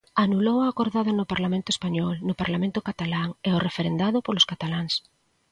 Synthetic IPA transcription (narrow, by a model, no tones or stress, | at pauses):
anulowaːkoɾðaðonʊpaɾlamẽnt̪ʊespaɲɔlnʊpaɾlamẽnt̪ʊkat̪alaŋeorefeɾend̪aðʊpoloskat̪alaŋs